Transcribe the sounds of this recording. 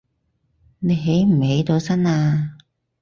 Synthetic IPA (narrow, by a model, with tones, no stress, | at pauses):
ne˨˧jɦe˨˥jm̩˨˩he˨˧˥jt̪o˨˧wsɐ˥naː˧